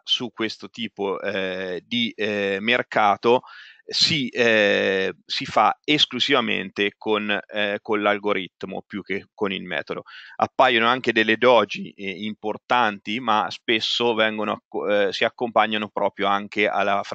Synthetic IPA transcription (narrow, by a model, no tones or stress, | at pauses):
sukːwest̪ot̪iːpoɛd̪imerkʰaːt̪osi | sifaeskluzivamḛnt̪ekonkonlalɡoɾit̪ːmo̰pjuk̟ːekonilmɛ̰ːt̪od̪o̰a̰pːajonoaŋk̟ed̪elːed̪ɔːd͡ʒiimport̪ant̪imaspesːovɛŋɡonoa̰ksiakːompaɲːanopɾʔɔːpɾjoaŋkeʔa̰lːaf